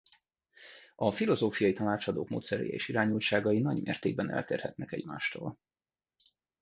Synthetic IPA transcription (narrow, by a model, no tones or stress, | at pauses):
ɒfilo̞zoːfijɒjit̪ɒnaːt͡ʃɒd̪o̰ːkmo̰ːt̪sɛɾɛ̰jɛ̰ḛːʃiɾaːɲult͡ʃaːɡɒjinɒɟmʔeːrt̪eːɡ̚bɛnɛ̰lt̪eːrhɛt̪nɛkɛɟma̰ːʃt̪o̰ːl